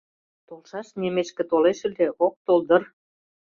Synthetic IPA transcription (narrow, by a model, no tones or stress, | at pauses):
t̪olʃɑʃnʲemeʃkĕt̪oleʃə̆lʲd̪eʔok̚t̪old̪ə̆r